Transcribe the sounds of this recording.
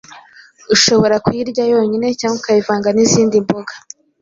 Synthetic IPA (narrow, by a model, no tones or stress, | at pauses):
uʃo̞βo̞ɾakwiɾɟajo̞ːɲine̞caːŋɡokajivaːŋɡaniziːndimbo̞ɡḁ